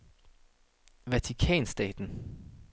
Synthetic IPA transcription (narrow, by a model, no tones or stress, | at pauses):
ʋæt͡sʰikʰɛ̰ːnsd̥ɛ̰ːd̥n̩